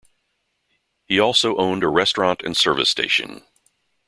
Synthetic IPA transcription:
hiɔlˠsoʊʔõʊ̃ndəɹɛstɹ̥ɑ̃ntɨ̰̃nsɜ˞vɨ̰stʰḛɪʃɨ̰̃n

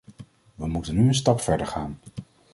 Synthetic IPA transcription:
ʋəmutənːyənstɑpfɛɹdəɹχaːn

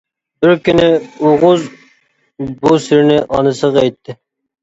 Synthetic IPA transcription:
bɪɾkʲynɪoʁʊz | busɪɾnɪʔɑnɨsəʁɛjt̪ʰːɪ

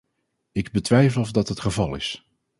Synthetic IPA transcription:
ɪɡbətʋɛjvəlˠɔvdɑtɦətχəvɑlˠɪ̰s

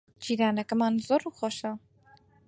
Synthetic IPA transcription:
d͡ʒiːɾaːnɛkəmaːnzoːɾuːxoʃɐ

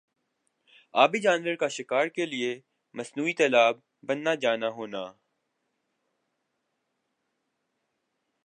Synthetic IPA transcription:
aːbid͡ʒãːnʋəɾkaʃɪkaːɾkelie | mɐsnuːit̪ɛːlaːb̚ː | ɐnːad͡ʒaːnaɦoːnaː

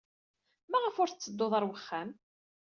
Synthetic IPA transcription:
mæʁəfʊɾt͡sːəd̪ːoðˤəɾˤwəχːæm

